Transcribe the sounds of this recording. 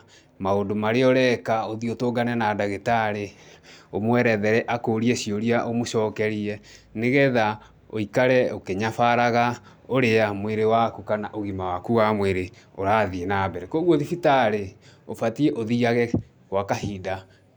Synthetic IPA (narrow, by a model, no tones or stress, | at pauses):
maondomaɾeɔɾɛkaoðiotoːɡanɛnadaɣetaɾeomoɛɾɛðɛɾɛʔakoːɾieɕioɾiaʔomoʃɔːkɛɾiɛneɣɛða | o̰ikaɾɛokeɲafaɾaɣa | oɾeamweɾewakukanaʔoɣimawakuwamweɾeoɾaðienabɛɾɛkoɣoðifitaɾeofatiɛʔoðiaɣɛ | wakahida